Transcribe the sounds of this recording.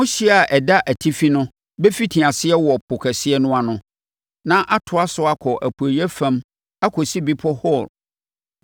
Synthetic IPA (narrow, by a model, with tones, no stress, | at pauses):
mʊ̃˦ɕi˦a˨ʔɛ˨da˦ʔæ˨tʰi˦fi˦nʊ̃˦ | be˦fi˦tʰĩ˨a˨sɪ˦ɛ˦wɔ˨pʰʊ˨kʰɛ˨sɪ˦ɛ˦nʊ̃˦a˨nʊ̃˦ | nã˦ʔa˦tʰʊ˨a˦sʊ˨a˦kʰɔ˨ʔæ̰˨pʰu˨æ˨i˦ɛ˦fã˦m | a˦kʰɔ˨si˦bi˦pʰɔ˦hɔ˦˨l